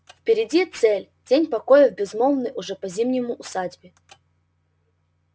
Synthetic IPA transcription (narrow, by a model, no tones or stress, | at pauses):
fpʲɪɾʲɪdʲit̪sɛlʲ | d͡zʲenʲpɐkojəvbʲɪzmomnɨjʔʊʐɛpɐzʲimnʲɪmʊʔʊsadʲbʲɪ